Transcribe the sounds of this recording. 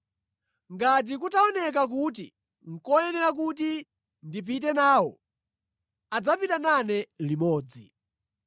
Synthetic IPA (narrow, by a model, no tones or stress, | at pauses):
ŋɡat̬ik̬utaɔnɛk̬ak̬ut̬i | ŋ̩kɔjɛnɛɾak̬ut̬i | ndip̬ʰit̬ɛnaːwɔ̰ | ad͡zapitananɛlimɔːd͡zḭ